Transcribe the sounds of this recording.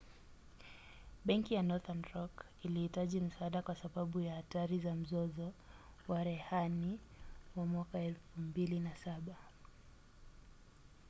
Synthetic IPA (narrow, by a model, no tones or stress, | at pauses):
ɓɛŋkijanɔθanɾɔk | ilihitaʄim̩saaɗakwasaɓaɓujahataɾizam̩zɔzɔwaɾɛhani | wamwakaɛlfumbilinasaɓa